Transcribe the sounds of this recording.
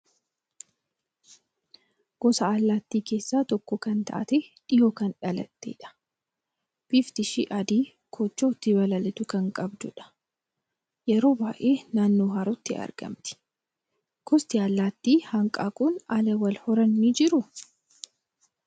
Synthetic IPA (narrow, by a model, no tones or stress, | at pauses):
ɡ̥ɔsɐːlːaːt̪ːiːke̞ːsːaːt̪ɔkːɔkɐnt̪ɐ̰ʔɐt̪eᶑɪjoːkɐnᶑɐlɐt̪ːḛːᶑɐ̥ | b̥ift̪ɪʃiʔɐd̪iː | kʰoːt͡ʃːoːt̪ːɪbɐlɐlɪt̪ʊkɐŋkʼɐbd̪ʊᶑɐ̥ | jɛɾo̞ːbaːʔe̞ːnaːnːoːɦɐɾʊt̪ːɪɐ̰ɾɡɐ̰mt̪ɪ̥ | ɡ̥ɔst̪ɪalːaːt̪ːiːhɐŋkʼaːkʼʊnɐlɐwɐlhɔɾɐnːiːd͡ʒɪɾʊ